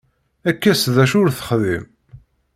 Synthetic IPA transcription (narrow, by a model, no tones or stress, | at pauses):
ækːæsðæʃʊɾθə̥χðḭm